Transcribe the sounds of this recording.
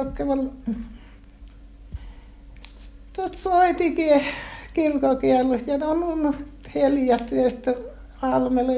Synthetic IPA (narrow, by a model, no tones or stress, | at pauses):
kːeʋɑl | t̪ot̪soit̪ikiekirkokiælːusjɑnomunheljɑt̪ːest̪ː | ɑlmele